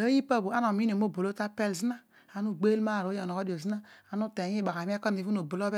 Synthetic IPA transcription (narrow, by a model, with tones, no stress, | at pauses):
o˦ji˦pa˦˨bu˨a˦n˨o˨mi˦n˨o˨m˦o˦˨bo˨lo˦ta˦pe˦lzi˦na˦ | a˨nu˦˨ɡ͡be˦lma˦˨ɾo˨˦jɔ˨no˨kɔ˦di˨o˨zi˦na˦a˨nu˦te˨˦i˦˨a˨ka˨m˦a˦kɔ˦˨i˨u˦no˨bo˨lo˦bɛ˦